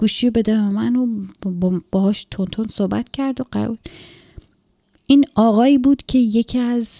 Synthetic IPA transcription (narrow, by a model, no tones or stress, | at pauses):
ɡ̥uːʃijobed̪æemænobb̥ɒːhɒːʃt̪ʰont̪ʰonsohbæ̰t̪cʰæɾd̪oɢæ̰ɾṵl | ʔinɒːɣɒːiːbuːd̪̥cʰe̞je̞cʰiæz